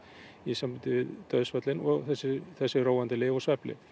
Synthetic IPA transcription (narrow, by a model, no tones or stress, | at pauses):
isamvant̪ɪvɪðt̪œɥðsfœt̪lɪnɔɣθɛsːɪθɛsːɪroːwant̪ɪlɪːvɔsvɛplɪ̰